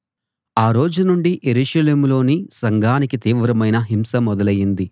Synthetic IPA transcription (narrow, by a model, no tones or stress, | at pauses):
aːɾo̞ːd͡ʒunuɳɖiʔeɾuːʃɐleːmlo̞ːnisɐŋɡʱaːnikit̪iːʋɾɐmɐjnɐɦimsɐmɔd̪ɐlɐjind̪i